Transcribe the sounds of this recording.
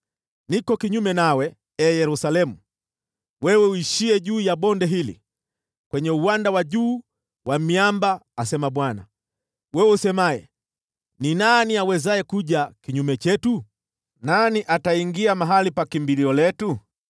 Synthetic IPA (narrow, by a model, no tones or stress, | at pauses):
nikɔkiɲumɛnawɛ | ɛːjɛɾusalɛmu | wɛwɛuiʃiɛʄuːjaɓɔndɛɦilḭ | kwɛɲɛuwandawaʄuː | wʔamiambaːsɛmaɓwana̰ | wɛwɛusɛmaɛ̰ | ninaniawɛzajɛkuʄakiɲumɛt͡ʃɛtu | naniʔataiŋɡiamaɦalipakimbiliɔlɛtu